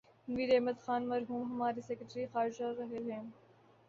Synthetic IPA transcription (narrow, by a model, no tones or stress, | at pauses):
niːɾɐɦmɐd̪xaːnmɐɾɦuːmɦɐmaːɾiseːkəʈɾixaːɾɪd͡ʒaɾɐɦeɦẽː